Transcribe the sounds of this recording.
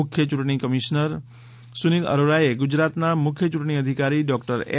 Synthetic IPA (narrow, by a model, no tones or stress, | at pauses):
ʊkʰjət͡ʃʊʈɳ̃ikəmiʃnəɾ | sunilə̰ɾoɾajeɡud͡ʒɾat̪namʊkʰjət͡ʃuʈɳ̃iəd̪ʱikaɾiɖɔk̚ʈəɾḛ